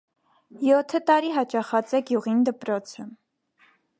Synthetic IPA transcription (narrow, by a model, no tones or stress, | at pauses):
jɔt̪ʰːət̪ɑɾiɦɑt͡ʃɑχɑt͡sɛɡjuʁind̪əpɾɔt͡sʰə